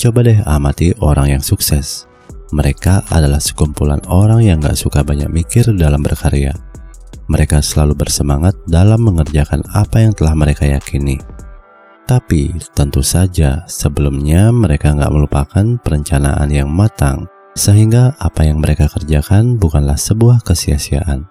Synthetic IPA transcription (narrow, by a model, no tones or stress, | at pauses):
t͡ʃobadɛɦamat̪iʔoɾaŋjaŋsuksɛs | məɾekaʔa̰dalahsə̥kumpula̰noɾaŋjaŋɡa̰ʔsukabaɲa̰k̚mikɪrdalambərkaɾea̰ | məɾekasəlalubərsəmaŋat̪̚dalamːəŋərd͡ʒakanapajaŋt̪əlahməɾekaja̰kini | t̪apit̪ənt̪usad͡ʒasəbəlumɲaməɾekaŋɡa̰ʔməlupakanpəɾəɲt͡ʃana̰ʔa̰njaŋmat̪a̰ŋ | səɦiŋɡaʔːpajaŋməɾekakərd͡ʒakanbukanlahsəbuahkəsiasia̰ʔan